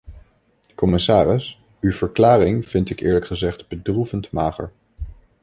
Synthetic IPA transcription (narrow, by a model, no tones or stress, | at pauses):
kɔmɪsaːrɪs | ywv̥əɹklaːrɪŋv̥ɪntɪkɪːɹləkχəzɛχtbədruvəntmaːχə̰ɹ